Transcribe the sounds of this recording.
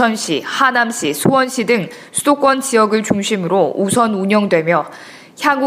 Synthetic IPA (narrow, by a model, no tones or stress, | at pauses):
ʌnɕʰihanamɕ͈ʰisʰuwʌnɕʰidɯŋ | sʰudok͈wʌnt͡ɕijʌɡɯɭt͡ɕuŋɕʰimɯɾousʰʌnuɲʌŋdwe̞mjʌ | çjaŋ